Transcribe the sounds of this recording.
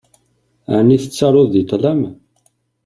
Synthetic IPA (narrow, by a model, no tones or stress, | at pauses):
æniθət͡sːɑɾˤʊðːit̪ˤlæm